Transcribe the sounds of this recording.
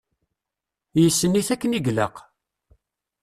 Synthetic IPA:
jəsːənːiθækːəniɡlə̰q

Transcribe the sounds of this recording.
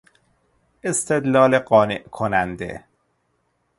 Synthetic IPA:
est̪ʰed̪lɒːleɢɒːneʔkʰonænd̪ḛ

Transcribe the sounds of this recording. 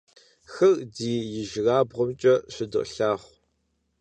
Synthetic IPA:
xɨrdiːjɪʒɪɣaːbʁʷʊmt͡ʃʼɐɕʷɪdɨ̰ʔʼɬaːχʷ

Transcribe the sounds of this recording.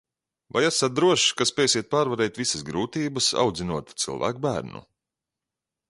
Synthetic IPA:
vajasat̪̚d̪ɾuɔʃkaspʲɛːjsʲiɛt̪̚paːɾvaɾɛjt̪visɐsɡɾuːt̪iːbəsa̰wd̪zinuɔt̪t̪sḭlˠvæ̰ːk̚bæːɾnṵ

